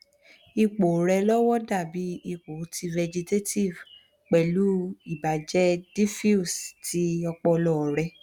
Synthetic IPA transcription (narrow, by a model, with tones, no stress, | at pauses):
i˧k͡po˨ɾɛ˧lɔ˦wɔ˦da˦˨bi˨˦i˦˧k͡po˨˦tʰi˧vɛ˧d͡ʒi˧te˦ti˦˨v | k͡pɛ˨lu˨˦i˦˨ba˨d͡ʒɛ˦di˦fi˦u˨sti˨˦ɔ˧k͡pɔ˧lɔ˦˨ɾɛ˧